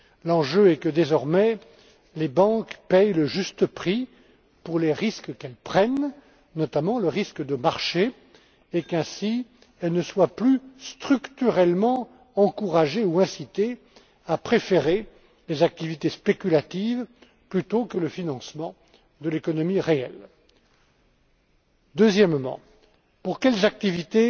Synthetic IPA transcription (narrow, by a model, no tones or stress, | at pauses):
lɑ̃ʒøɛkəd̪ezɔʁmɛ | lebɑ̃kpɛjləʒyst̪əpχi | puʁleʁiskkɛlpχɛnː | ɔt̪amɑ̃ləʁiskəd̪əmaʁʃe | ekɛ̃si | ɛlnəswaplyst̪χykt̪yʁɛlmɑ̃ | ɑ̃kuʁaʒeuɛ̃sit̪e | apχefeʁe | lezak̚t̪ivit̪espekʲylat̪iv | plyt̪okələfinɑ̃smɑ̃ | d̪əlekɔnɔmiʁeɛ̰l | d̪øzjɛmːɑ̰̃ | puʁkʲɛlzak̚t̪ivit̪e